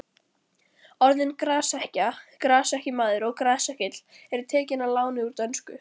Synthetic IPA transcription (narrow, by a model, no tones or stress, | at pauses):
ɔɾðɪnkɾaːsɛhcakɾaːsɛhcɪmaːðʏɾɔɣkɾaːsɛhcɪt̪l̥ɛɾt̪ʰɛːcɪnalaːwnɪuɾt̪œnskʏ̰